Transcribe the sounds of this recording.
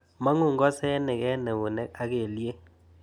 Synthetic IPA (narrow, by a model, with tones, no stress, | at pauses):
ma˦ŋʊ˦˨ŋɡɔ˦sɛ˦nɛ˨kɛ˦nɛ˨βo˨nɛ˦a˦ke˨lje˦